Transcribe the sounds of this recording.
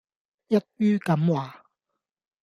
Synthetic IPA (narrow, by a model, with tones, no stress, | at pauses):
jɐ˥t̚jyː˥kɐ˨˦mwaː˨